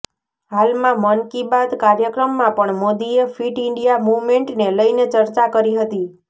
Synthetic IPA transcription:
ɦalmãmənkibad̪kaɾjəkɾəmːãpəɳmod̪iefiʈɪɳɖijamuʋmeɳʈneləinet͡ʃəɾt͡ʃakəɾiɦət̪i

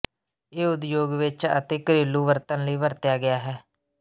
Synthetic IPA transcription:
eːʊd̪joːɡʋɪt͡ʃə̰t̪eːkəɾiːlːuːʋəɾt̪ənləiːʋəɾt̪jaːɡɪjaːɦɛː

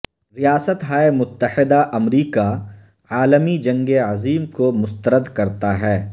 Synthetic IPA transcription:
ɾijaːsət̪ɦaːemʊt̪ːəhɪd̪aʔɐmɾiːka | aːləmid͡ʒɐ̃ŋɡeəziːmkomʊst̪əɾəd̪kɐɾt̪aɦɛː

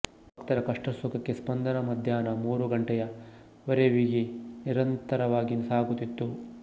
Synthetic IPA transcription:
bʱɐkt̪ɐɾɐkɐʂʈɐsukɐkːespɐnd̪ɐnɐmɐd̪ʱjaːnɐmuːɾuɡɐɳʈɛjɐ | ʋɐɾeʋiɡiniɾɐnt̪ɐɾɐʋaːɡinsaːɡut̪it̪ːu

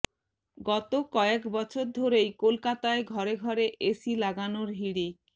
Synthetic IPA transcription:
ɡɔt̪okɔekbɔt͡ɕʰoɾd̪ʱoɾejkolkat̪aeɡʱɔɾeɡʱɔɾeʔʔesilaɡanoɾɦiɽik

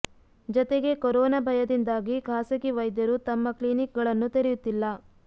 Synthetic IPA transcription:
d͡ʒɔt̪eɡe̞koɾɔːnɐbʱɐjɐd̪ind̪aːɡiɡʱaːsɐkiʋɐjd̪jɐɾut̪ɐmːɐkliːnik̚ɡɐɭɐnːut̪eɾejut̪ːilːɐ

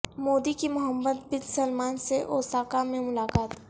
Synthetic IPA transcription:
moːd̪ikimʊɦəmːəd̪bɪd̪səlmaːnseʔoːsaːkamẽmʊlaːkaːt̪

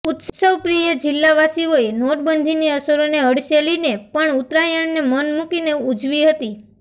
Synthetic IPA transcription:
ʊt̪ssəʋpɾijəd͡ʒɪlːaʋasioenoʈ̚bənd̪ʱiniəsoɾoneɦəɽselinepəɳut̪ɾajəɳnemənmukineud͡ʒʋiɦət̪i

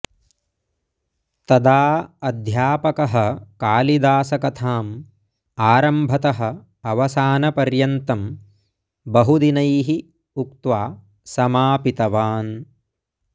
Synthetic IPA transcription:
t̪ɐd̪aːɐd̪ʱjaːpɐkɐɦɐkaːlid̪aːsɐkɐt̪ʰaːm | aːɾɐmbʱɐt̪ɐɦɐ̆ | ɐʋɐsaːnɐpɐɾjɐnt̪ɐm | bɐɦud̪inɐjɦi | ukt̪ʋaː | sɐmaːpit̪ɐʋaːn

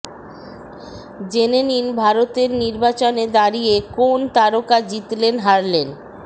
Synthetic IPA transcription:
d͡ʑeneninbʱaɾot̪eɾniɾbat͡ɕoned̪aɾijekont̪aɾokad͡ʑit̪lenɦaɾlen

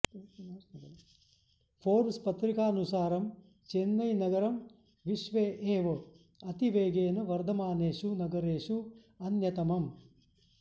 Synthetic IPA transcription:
pʰoːɾspɐt̪ɾikaːnusaːɾɐm | t͡ʃenːɐjnɐɡɐɾɐm | ʋiʃʋeːʔeːʋɐ | ɐt̪iʋeːɡeːnɐʋɐɾd̪ʱɐmaːneːʃunɐɡɐɾeːʂu | ɐnjɐt̪ɐmɐm

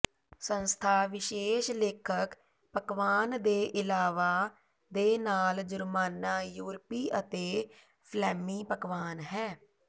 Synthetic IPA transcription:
sənst̪ʰaːʋɪʃeːʃleːkʰək | pəkʋaːnd̪eːʔɪlaːʋaː | d̪eːnaːld͡ʒʊɾmaːnaːjuːɾpiːʔət̪eː | pʰlɛːmiːpəkʋaːnɦɛː

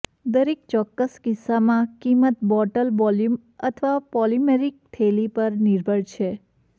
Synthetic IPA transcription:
d̪əɾek̚t͡ʃɔkːəskɪsːamãkimət̪bɔʈəlbɔljum | ət̪ʰəʋapɔlimeɾik̚t̪ʰelipəɾniɾbʱəɽt͡ʃʰe

